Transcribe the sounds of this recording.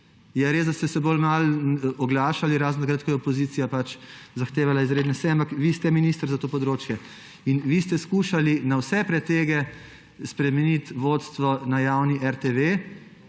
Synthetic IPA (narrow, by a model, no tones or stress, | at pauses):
jɛɾezd̪ast̪ɛsɛbolmalɔɡlaːʃaliɾaːznt̪akɾəːt̪̚kɔjɛɔpɔziːt̪sijapat͡ʃzaxt̪eːʋalaizɾeːd̪nɛsɛjampakʋist̪ɛminist̪əɾzat̪oːpɔd̪ɾoːt͡ʃjɛ | inʋist̪ɛskuːʃalinawsɛpɾɛt̪eːɡɛ | spɾɛmɛnit̪ʋoːt̪st̪ʋɔnajawniʔɛɾt̪eʋe